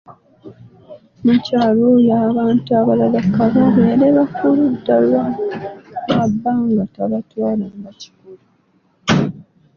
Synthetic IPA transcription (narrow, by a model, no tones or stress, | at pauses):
mucaːlojaβaːntuaβalalakːaβaβeɾeβakuludːalwa | βabːaŋɡataβatwaːlambaci̥kulu